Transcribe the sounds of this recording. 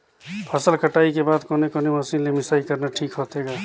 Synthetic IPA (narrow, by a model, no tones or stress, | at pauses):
pʰəsəlkəʈaːikebaːd̪koːnekoneməsiːnlemɪsaːikəɾnaʈʰiːkɦoːt̪ɦeːɡaː